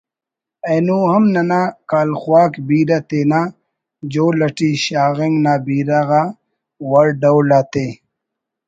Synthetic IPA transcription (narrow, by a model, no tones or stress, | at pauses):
eːnuːɦɐmnɐnakaːlxwaːkbiːɾat̪eːnaː | d͡ʑoːlɐʈiɕaːɣeŋɡnaːbiːɾaɣa | wɐɾɖɐwlaːt̪eː